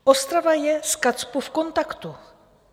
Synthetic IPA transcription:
ʔost̪ɾavajɛskat͡spufko̞nt̪akt̪u

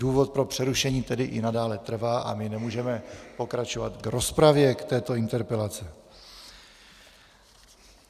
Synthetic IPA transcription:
uːvo̞t̪̚pɾo̞pr̥ɛɾuʃɛɲiːt̪ɛdɪʔɪnadaːlɛt̪r̩vaːʔa̰mɪnɛmuːʒɛmɛpo̞kɾat͡ʃo̞vat̪ɡɾo̞spɾavjɛkt̪ɛːt̪o̞ɪnt̪ɛɾpɛlat͡sɛ

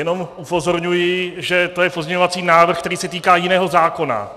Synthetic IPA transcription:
jɛno̞mʔupo̞zo̞ɾɲujɪʒɛt̪o̞jɛpozmɲɛɲovat͡siːnaːvr̩xkt̪ɛɾiːsɛt̪iːkaːjɪnɛːɦo̞zaːko̞na̰

